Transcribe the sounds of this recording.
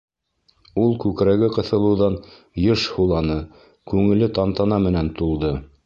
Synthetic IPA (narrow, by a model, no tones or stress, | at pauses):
ulˠkʉkɾæɡɘqɤ̆θɤ̆lˠɤ̆wðɑn | jɤʃhulˠɑnɤ | kʉŋɘ̆lɘt̪ɑnt̪ɑnɑmɘ̆nænt̪ulˠd̪ɤ